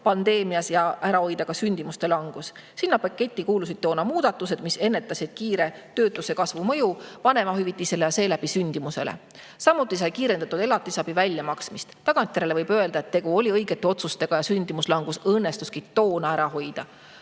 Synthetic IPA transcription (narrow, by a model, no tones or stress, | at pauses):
pɑnd̪̥e̞ːmijɑsjɑʔæɾɑho̞jd̪ɑɡ̥ɑsynʲd̪̥imust̪e̞lɑŋɡ̥us | sinːɑpɑkːˑe̞t̪ʲːˑikuːlusid̪̚t̪o̞ːnɑmuːd̪̥ɑt̪ːˑuse̞d̪̥mise̞nːe̞t̪ːˑɑsid̪̥̚kiːɾe̞t̪ø̞ːt̪ːˑuse̞kɑsvumɤjuvɑne̞mɑɦyvit̪ːˑise̞lejɑse̞ːlæbisynʲd̪̥imuse̞̰lḛ | sɑmːut̪ːˑisɑjkiːɾe̞nd̪̥ɑt̪ːud̪̥e̞lɑt̪ːˑisɑb̥ivælʲjɑmɑksmist̪t̪ːɑɡ̥ɑnt̪jeɾelevɤjb̥øe̞ld̪̥ɑet̪ːe̞ɡ̥uo̞lʲiɤjɡ̥et̪ːeo̞t̪sust̪e̞ɡ̥ɑjɑsynʲd̪̥imuslɑŋɡ̥usɤnːe̞st̪uskit̪o̞ːnɑæɾɑɦo̞jd̪̥ɑ